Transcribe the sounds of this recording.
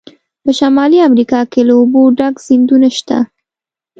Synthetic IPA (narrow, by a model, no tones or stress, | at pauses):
pəʃamɑliamɾikɑkelaoboɖaɡz̥ind̪unaʃt̪a̰